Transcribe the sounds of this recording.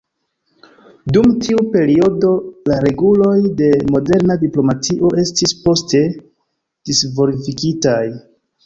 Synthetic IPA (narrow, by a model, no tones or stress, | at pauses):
dumtʰiupe̞ɾio̞do̞laɾe̞ɡulo̞jde̞mo̞de̞ɾnadiplo̞matiʔo̞ʔe̞stispo̞ste̞ | d̥isvo̞ɾifikitaj